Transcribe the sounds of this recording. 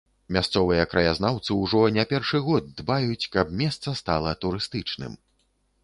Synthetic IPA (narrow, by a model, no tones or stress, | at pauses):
mʲast̪sɔvɨjɐkɾɐjaznawt̪sɨwʐɔnʲapʲɛrʂɨɣɔd̪̚ːbajut͡sʲkɐpmʲɛst̪sɐst̪alˠɐt̪uɾɨst̪ɨt͡ʂnɨ̰m